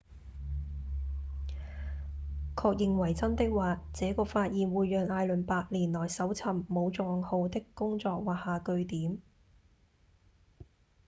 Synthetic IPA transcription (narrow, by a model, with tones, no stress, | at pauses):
kʰɔː˧k̚jɪ˨˧ŋwɐ˨˩jt͡sɐ˥nt̪ɪ˥k̚waː˨˧t͡sɛː˨˥kɔː˧faː˧t̚jiː˨˩nwuː˨˧jːœː˨˧ŋaː˧jlɵ˨˩npaː˧k̚liː˨˩nlɔː˨˩jsɐ˨˥wt͡sʰɐ˨˩mːo˨˧wt͡sɔ˨˧˨ŋho˧wt̪ɪ˥kːʊ˥ŋt͡sɔː˧k̚waː˨haː˨˧kɵ˧ɥt̪iː˨˥m